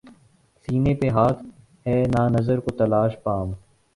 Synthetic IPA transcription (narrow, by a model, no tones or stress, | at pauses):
siːnepeɦaːt̪ʰ | ɦɛːnaːnɐzəɾkot̪ɐlaːʃpaːm